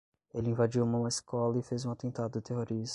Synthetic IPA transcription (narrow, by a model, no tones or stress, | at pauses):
elɪĩvad͡ʒiwumɐũmɐɪiskɔlɐɪfezũat̪ẽnt̪ad̪ʊt̪eɦoɾis